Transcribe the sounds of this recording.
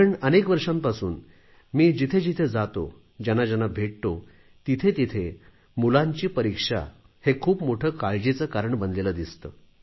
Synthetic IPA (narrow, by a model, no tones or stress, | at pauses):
əɳənekʋəɾʂampasṵːn | miːd͡ʑit̪ʰed͡ʑit̪ʰed͡zat̪o̰ | d͡ʑanad͡ʑanabʱeʈ̚t̪o | t̪it̪ʰet̪it̪ʰe | mulãɲt͡ɕiːpəɾikʂa̰ | hekʰuːpmoʈʰəːkaɭd͡ʑet͡səkaɾəɳbənd̪leləd̪ist̪əː